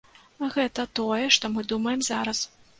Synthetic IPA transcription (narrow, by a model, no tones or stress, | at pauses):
ɣɛt̪ɐt̪ɔjɛʂt̪ɔmɨd̪umɐjɛmzaɾɐs